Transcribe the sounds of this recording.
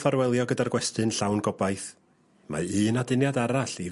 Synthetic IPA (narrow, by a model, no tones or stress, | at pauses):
faɾwɛlˠjɔɡədarɡwɛstɨnɬawnɡɔbajθ | ma̰ɨːnadɪnjadaɾaɬi